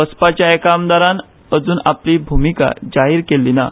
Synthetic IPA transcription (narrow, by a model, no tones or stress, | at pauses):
əspat͡ɕjaekamd̪aɾan | əd͡zuːnapliːbʱumika̰d͡ʑaɦiːɾkelːina̰